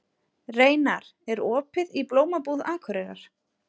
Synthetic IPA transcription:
reːjnaɾ̥ɛɾɔːpɪðiploːwmapuðaːkʰvœɾɛɣa̰ɾ̥

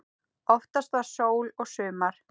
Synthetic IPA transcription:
ɔft̪ast̪vasoːwlɔɣsʏːmaɾ̥

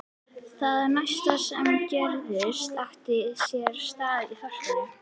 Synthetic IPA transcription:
θaðɛɾnajst̪asɛmcɛɾðʏst̪aft̪ɪsjɛɾ̥st̪aːðihœr̥t̪ʏn

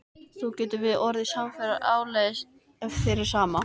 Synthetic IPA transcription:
θɔwcɛːt̪ʏvɪðɔɾðɪsamfɛɾaɾaːwleðs | ɛffɪɾɪɾ̥saːma

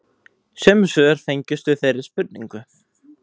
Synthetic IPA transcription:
sɛːmʏsœːɣaɾ̥fejɲcɪst̪ʏθejɾɪ̥spʏt̪niŋkʏ

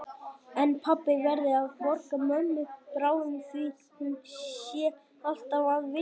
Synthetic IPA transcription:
ɛnpʰapːɪvɛɾðɪaðvɔɾkamœnːʏpɾaːwɪnθvi | hunsjɛ | al̥t̪avaðvɪ

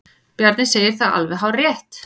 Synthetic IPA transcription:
pjaɾt̪nɪnseːjɪɾ̥θaða̰lvɛɦawrjɛht̪

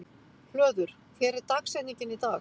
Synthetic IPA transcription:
flœːðʏɾ̥ | fɛːɾɪt̪aksɛniɲcɪnit̪aːx

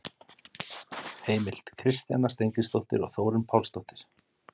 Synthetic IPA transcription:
heːjmɪl̥t̪kʰɾɪst̪janːast̪ejŋkɾɪst̪owht̪ɪ̰ɾɔ̰ɣθoːwɾʏmpʰawlst̪owht̪ɪ̥ɾ̥

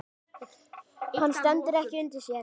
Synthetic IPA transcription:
hanst̪ɛnt̪ɪɾɛhcɪʏnt̪ɪsjɛː

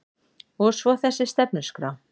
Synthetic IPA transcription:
ɔsvɔθɛsːɪst̪ɛpnʏ̥skɾa

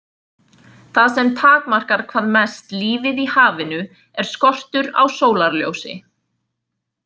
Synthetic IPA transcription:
θaðsɛmt̪ʰaːkmar̥kaɾkʰv̥aːðmɛst̪liːvɪðihaːvɪnʏ | ɛɾ̥skɔr̥t̪ʏɾa̰wsoːwlaɾljo̰ːwsɪ̰

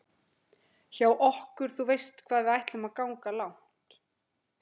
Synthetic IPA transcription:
çaːwʔɔhkʏɾ̥θuvejst̪kʰvaːðvɪðajht̪lʏmaðkaːwŋkalawŋ̥t̪

